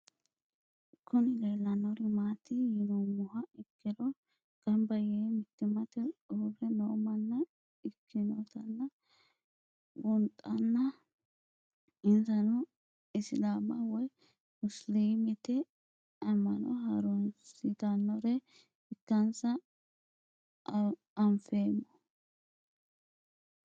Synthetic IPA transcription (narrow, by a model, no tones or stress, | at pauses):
kʰːʊnɪɡelːɐnɔɾɛmaːt̪ɪjɪnumʊhɐɪkʰːɪlɔ | ɡ̥ɐmbɐjeːmɪt̪ːɪmɐt̪ɛuːfɛnoːmɐnːɐ | ɪkʰːɪnɔt̪ɐnːɐ | wʊnt̪ʼɐnːɐ | ɪnzɐnʊ | ɪslaːmɐwɔj | mʊsliːmɪt̪ɛ | ɐmːɐnɔ̰ɦɐɾɔnsɪt̪ɐnːɔɾɛ | ɪtːɐnsɐ | ɐmfeːmːɔ